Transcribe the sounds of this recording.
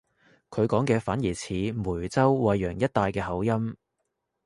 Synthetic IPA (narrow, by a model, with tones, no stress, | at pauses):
kʰɵ˨˧ɥkɔː˨˥ŋkɛː˧faː˨˥njiː˨˩t͡sʰiː˨˧˥muː˨˩jt͡sɐ˥wwɐ˨˧jːœː˨˩ŋjɐ˥t̚t̪aː˧jkɛː˧hɐ˨˥wjɐ˥m